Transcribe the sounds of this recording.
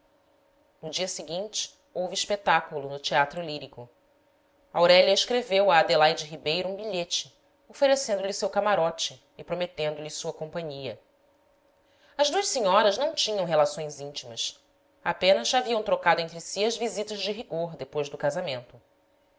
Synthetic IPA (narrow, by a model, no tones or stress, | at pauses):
nʊd͡ʒiɐsiɡĩnt͡ʃɪ̥ | owviːʃpet̪akulʊnʊt͡ʃiat̪ɾʊliɾikʊ | awɾɛʎɐiʃkɾevewɐːd̪elajd͡ʒɪɦibejɾuũbiʎet͡ʃɪ | ofeɾesẽnd̪ʊlɪsewkamaɾɔt͡ʃɪːpɾomet̪ẽnd̪ʊlɪsuɐkõmpɐ̃ɲiɐ | ɐzd̪uɐʃsiɲɔɾɐznɐ̃w̃t͡ʃĩɲɐ̃w̃ɦelasõj̃zĩnt͡ʃimɐs | apẽnɐzaviɐ̃w̃t̪ɾokad̪ʊẽnt̪ɾɪsiɐzvizit̪ɐzd͡ʒɪɦiɡoɾd̪epojzd̪ʊkazamẽnt̪ʊ